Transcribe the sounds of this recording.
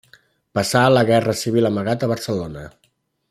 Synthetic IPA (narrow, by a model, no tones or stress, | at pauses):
pəsaːləɣɛrəsiβ̞iləməɣat̪əβəɾsəlonə